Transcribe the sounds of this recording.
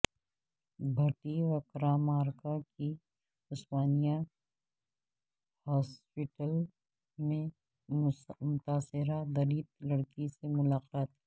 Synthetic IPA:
bʱɐʈiʋəkɾaːmaːɾkaki | ʊspaːnija | haːspɪʈəl | mẽ | mʊt̪aːsɪɾad̪ɐɾiːt̪lɐɽkisemʊlaːqaːt̪ː

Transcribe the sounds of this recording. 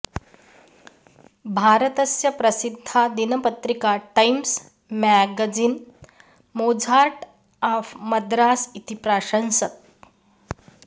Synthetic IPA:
bʱaːɾət̪əsjɐpɾɐsid̪ʱːad̪inəpət̪ɾikaʈajms | mæɡad͡zin | mod͡zʱaɾʈ | aːfməd̪ɾaːsit̪ipɾaːɕə̃nsət̪̚

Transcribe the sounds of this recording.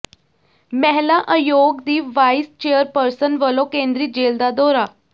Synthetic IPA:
mɛɦlaʔəjoɡd̪iːʋʋajst͡ɕejəɾpəɾsənʋəlokẽnd̪ɾiːt̪̚d͡ʑeld̪ad̪ɔɾa

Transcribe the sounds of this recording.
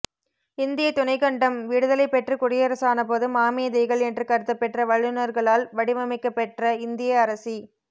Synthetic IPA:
ɪnd̪ɪjɐt̪ʊnɐɪkɐɳɖɐmʋiːɽɯðɐlɐɪpːɛʈrɯkʊɽɪjɐɾɐsaːnɐp̬oːðɯmaːmeːðɐɪɣɐɭɛndrɯkɐɾɯt̪ːɐpːɛʈrɐʋɐɻːɯnɐɾɣɐɭaːlʋɐɽɪmɐmɪkːɐpːɛʈrɐɪnd̪ɪjɐːɾɐsi

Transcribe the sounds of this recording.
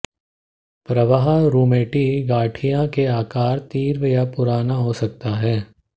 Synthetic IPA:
pɾɐʋaɦaɾuːmeːʈiɡaːʈʰijãkeaːkaːɾt̪iːɾʋəjapʊɾaːnaɦosɐk̚t̪aɦɛː

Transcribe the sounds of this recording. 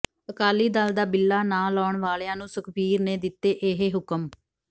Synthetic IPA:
əkaːliːd̪ald̪aːbɪlːaːnãːlɔːɳʋaːleãːnũːsəkbiːɾneːd̪ɪt̪ːeːʔeːɦeːɦʊkəm

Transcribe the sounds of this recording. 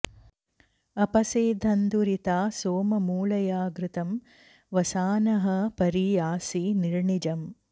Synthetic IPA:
ɐpɐseːd̪ʱɐnd̪uɾit̪aːsoːmɐmuːɭɐjaːɡɾɪt̪ɐm | ʋɐsaːnɐɦɐpɐɾijaːsiniɾɳid͡ʒɐm

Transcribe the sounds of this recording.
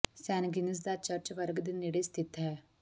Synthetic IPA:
sɛːnɡɪnəs̬d̪at͡ʃɐɾt͡ʃʋəɾɡd̪inːiɽest̪ʰɪt̪ɦɛː

